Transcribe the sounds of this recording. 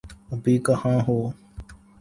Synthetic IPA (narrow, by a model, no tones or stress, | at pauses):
əbiːkəhãːɦoː